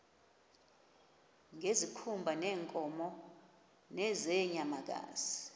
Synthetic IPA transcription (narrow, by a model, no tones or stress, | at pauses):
ŋezikʰumbʱanɛːŋkʼɔmɔ | nɛzɛɲamak̬a̰ːzi